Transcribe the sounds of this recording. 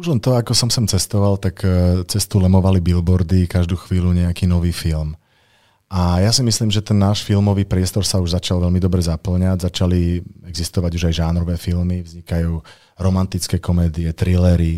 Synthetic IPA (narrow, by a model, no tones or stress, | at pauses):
muʒlɛnt̪ɔakɔsɔmsɔmt͡sɛst̪ɔʋalt̪akt͡sɛst̪ulɛmɔʋalibilbɔɾd̪ikaʒd̪uːxʋiːluɲɛakiːnɔʋiːfilm | ajasimisliːmʒɛt̪ɛnːaːʃfilmɔʋiːpɾɪɛst̪ɔɾsauʒzat͡ʃalʋɛlmid̪ɔbɾɛzapl̩ɲaɟzat͡ʃaliɛɡzist̪ɔʋaɟuʒajʒanɾɔʋɛːfilmivzɲikajuː | ɾɔmant̪it͡skɛːkɔmɛːd̪iɛt̪ɾilɛɾi